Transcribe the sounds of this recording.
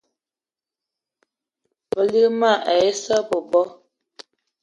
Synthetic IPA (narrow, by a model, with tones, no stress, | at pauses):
bə˨li˦ɣma˦˨ʔa˨je˦sə˦bɔ˨bɔ˦